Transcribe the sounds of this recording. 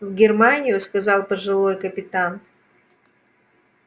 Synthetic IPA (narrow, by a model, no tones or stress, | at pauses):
vɡʲɪrmanʲɪjʊskɐzɑlˠpəʐɨlˠojkəpʲɪt̪an